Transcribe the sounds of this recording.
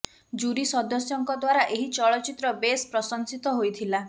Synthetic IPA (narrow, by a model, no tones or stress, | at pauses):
d͡ʒuɾisɔd̪ɔsjɔŋkɔd̪waɾaʔeɦit͡ʃɔɭɔt͡ʃit̪ɾɔbespɾɔsɔnsit̪ɔɦojt̪ʰila